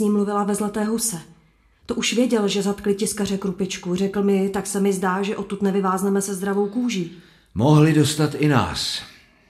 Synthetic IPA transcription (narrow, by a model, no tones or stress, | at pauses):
ɲiːmːluvɪlavɛzlat̪ɛːɦusɛ | t̪oʔuʃvjɛɟɛlʒɛzat̪klɪcɪskarɛkɾupɪt͡ʃkurɛkl̩mɪt̪aksɛmɪzdaːʒɛʔo̞t̪ːut̪nɛvɪvaːznɛmɛsɛzd̪ɾavo̞wkuːʒiː | moɦlɪdost̪at̪ɪna̰ːs